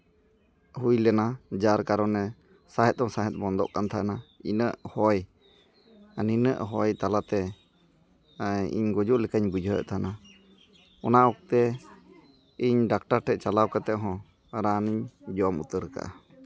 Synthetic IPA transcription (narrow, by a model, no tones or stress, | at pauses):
hujlɛnad͡ʒaɾkaɾɔnɛ | saɦɛt̪̚d̪ɔŋsaɦɛt̪̚ˀbɔnd̪ɔ̰ʔkant̪ʰaɛnainəʔhɔj | aninə̰ʔɦɔjt̪alat̪ɛ | ḭɲɡɔd͡ʒuʔlɛkaɲbud͡ʒʱɔjə̰ʔt̪ʰana | ɔnaʔɔk̚t̪ɛ | iɲɖak̚ʈaɾʈʰɛʔ̚t͡ʃalawkat̪ɛʔɦɔ̃ | ɾaniɲd͡ʒɔmṵt̪əɾka̰ʔa̰